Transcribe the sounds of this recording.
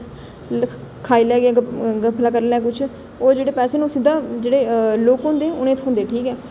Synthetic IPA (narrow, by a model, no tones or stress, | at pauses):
kʰaːiːlɛːɡãːɡəpʰlaːkəɾlɛːk̬ʊt͡ʃʰ | oːd͡ʒeːɽeːpɛːseːnũsɪd̪aːd͡ʒeːɽeːloːkɦõːnd̪eːʊnẽːt̪ʰɦʊ̃ːnd̪eːʈʰiːkɛː